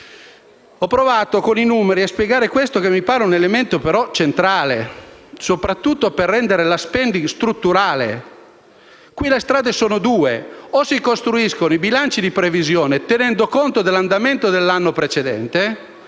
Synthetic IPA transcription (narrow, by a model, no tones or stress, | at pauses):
ɔpːɾovaːt̪okoninumeɾiaspjeɡaːɾekwest̪okemːipaːɾeunelement̪opeɾɔt͡ʃent̪ɾaːlesopɾat̪ːut̪ːoperːɛnd̪eɾelaspɛnd̪ist̪ɾut̪ːuɾaːlḛ | kwilest̪ɾaːd̪esoːnod̪uːeosikost̪ɾuiskonoibilant͡ʃid̪ipɾevizjoːnet̪enɛnd̪okont̪od̪elːand̪ament̪od̪elːanːopɾet͡ʃed̪ɛ̰nt̪e